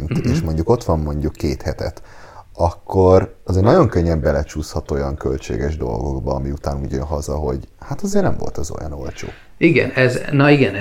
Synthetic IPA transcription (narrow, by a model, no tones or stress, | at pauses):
nt̪eːʃmo̞ɲɟuko̞t̪ʋɒmːo̞ɲɟukːeːt̪hɛt̪ɛ̰t̪ɒkːo̞rɒzenɒɟo̞ŋkøɲːɛmbɛlɛt͡ʃuːshɒt̪o̞jɒŋkø̞lt͡ʃḛːɡɛʒd̪o̞̰lɡo̞ɡbɒɒmiut̪aːnuːɟønɦɒzɒɦo̞̰ɟhat̪ɒzeːrnɛmvo̞̰lt̪ɛzo̞̰jɒ̰no̞̰lt͡ʃo̰ː | iɡɛ̰nɛznɒiɡɛn